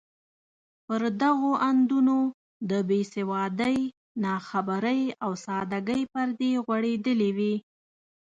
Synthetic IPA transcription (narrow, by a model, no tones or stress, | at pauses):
pəɾd̪aɣoʔand̪uno | d̪əbesɪwɑd̪əj | nɑxabaɾəjawsɑd̪aɡəjpəɾd̪eɣwaɽed̪əliwi